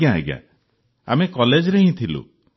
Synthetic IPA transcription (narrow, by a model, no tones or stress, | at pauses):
aɦḛɡa̰ | a̰mekɔled͡ʒɾeɦĩt̪ʰilṵ